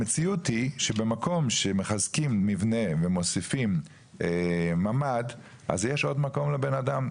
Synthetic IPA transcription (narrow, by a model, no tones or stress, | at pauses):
met͡siutiʃebemako̞mʃemeχazkimːivnevemo̞sifim | emamad̪ | ʔa̰zjeʃo̞d̪mako̞mlebenadam